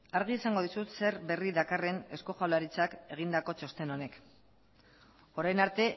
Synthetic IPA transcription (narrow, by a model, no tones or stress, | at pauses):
aɾɣ̞iesaŋɡo̞ð̞isut̪se̞ɾbe̞riðakare̞ne̞sko̞ʝawlaɾit͡sake̞ɣ̞ind̪ako̞t͡ʃo̞st̪e̞no̞ne̞k | o̞ɾajnaɾt̪e̞